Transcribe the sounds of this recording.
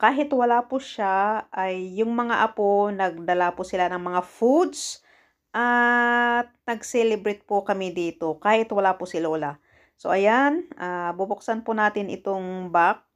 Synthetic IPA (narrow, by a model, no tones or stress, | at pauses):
kaːɦɪt̪wɐlapʊʃaʔɐjːʊŋmɐŋaʔɐponɐɡ̚d̪ɐlapʊsɪlanɐŋmɐŋafud̪s | ʔa | t̪̚nɐɡsɛlɛbɾɪt̪̚pʊkɐmid̪iːt̪o̞kaːhɪt̪wɐlapʊsɪlola | so̞̰ʔɐjanʔaːbʊbʊksanpʊnaːt̪ɪnɪ̰t̪oŋbak̚